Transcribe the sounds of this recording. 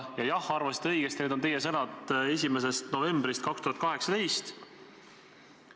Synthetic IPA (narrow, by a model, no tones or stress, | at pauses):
jɑjɑhɑrvɑsi̥t̪eɤ̞jɡ̥est̪neːd̪ot̪e̞jesɤnɑt̪ˑe̞s̬ʲimes̬e̞st̪no̞ve̞mbɾist̪kɑkst̪uhɑt̪kɑɦe̞ksɑt̪e̞jst̪